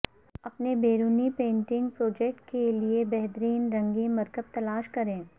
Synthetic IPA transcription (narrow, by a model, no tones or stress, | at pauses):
ɐpnebeːɾuːnipẽːɳʈɪ̃ŋɡ̚pɾoːd͡ʒɛk̚ʈkeliebɛɦt̪ɾiːnɾɐ̃ŋɡemɐɾkəb̚t̪ɐlaːʃkɐɾẽː